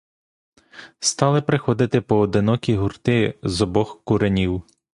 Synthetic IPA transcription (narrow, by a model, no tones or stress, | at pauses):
st̪ɑlˠɪpɾɪxɔd̪ɪt̪ɪpɔːd̪ɪnɔkʲiɦurt̪ɪzɔbɔxkuɾenʲiw